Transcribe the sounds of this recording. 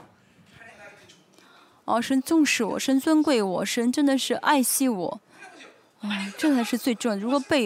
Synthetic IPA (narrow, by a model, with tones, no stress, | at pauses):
ɔ˥˩ʂə˧˥nt͡sʊ˥˧ŋʂɻ̩˥˩wɔ̰˨˩ʂə˥nt͡swə˥nkwe˥˩ɪwɔ̰˨˩ʂə˧˥nʈ͡ʂə˥nd̪ə˨ʂɻ̩˥˧ʔa˥˧ɪɕi˥˩wɔ̰˨˩˦ | a˥˩ʈ͡ʂɤ˥˩t͡sʰa˧˥ɪʂɻ̩˥˧t͡swe˥˧ɪʈ͡ʂɤ˥˩ŋ˨ɻu˧˥kwɔ˨˩˦pe˥˩ɪ